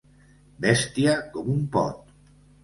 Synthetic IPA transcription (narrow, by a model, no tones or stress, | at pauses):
bɛst̪iakɔmumpɔ̰t̪